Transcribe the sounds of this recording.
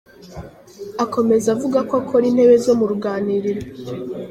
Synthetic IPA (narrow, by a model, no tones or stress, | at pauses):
ako̞me̞zavuɡakakʰoɾiːn̥he̞βe̞zo̞muɾuɡaːniɾiɾo